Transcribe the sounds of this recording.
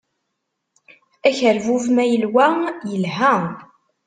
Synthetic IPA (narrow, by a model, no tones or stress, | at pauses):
æçəɾvuvmæjəlwæjəlɦæ